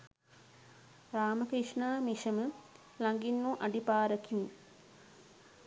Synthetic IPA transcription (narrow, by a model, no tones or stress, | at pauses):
ɾaːməkɾiʂɳaːmiʃəmə | laŋɡinːuʔaɖipaːɾəkimi